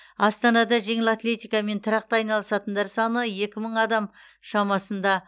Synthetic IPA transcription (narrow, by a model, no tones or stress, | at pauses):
ɑst̪ɑnɑd̪ɑʒe̞ŋɪlat̪le̞t̪ijkɑme̞nt̪ʰʊɾɑq̚t̪ɑɑjnɑlˠəsɑt̪ənd̪ɑɾsɑnəje̞kʲɪməɴɑd̪ɑm | ʃɑmɑsənd̪ɑ